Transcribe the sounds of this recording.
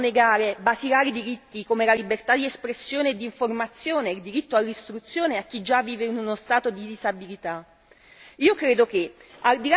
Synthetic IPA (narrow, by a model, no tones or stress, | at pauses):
neɡaːɾebasiɾaːɾid̪iɾit̪ːikomelalibert̪ad̪iespɾesːjoːneːd̪ːiɱformat̪sːjoːneːld̪iɾit̪ːoalːist̪ɾut̪sːjoːneak̟ːid͡ʒːavːiːveinunost̪aːt̪od̪id̪izabilit̪a | iːokɾeːd̪ok̟eald̪ila